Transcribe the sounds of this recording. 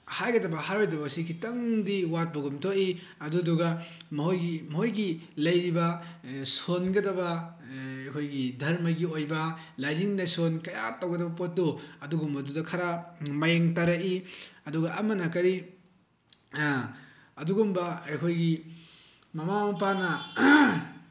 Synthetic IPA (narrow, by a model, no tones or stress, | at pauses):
hajɡɐdɐbɐhaɾojdɐbɐsikʰitɐŋdiwat̚bɐɡumtʰoiɐduduɡamɐɦojɡimɐɦojɡilɐjɾibɐsonɡɐdɐbɐ | ɐjkʰojɡidʱɐɾmɐɡiojbɐ | lajniŋnasonkɐjatawɡɐdɐbɐpot̚doɐduɡumbɐdudɐkʰaɾamajeŋtaɾaiɐduɡɐʔːmɐnakɐɾi | ɐduɡumbɐɐjkʰojɡi | mɐmamɐpanɐ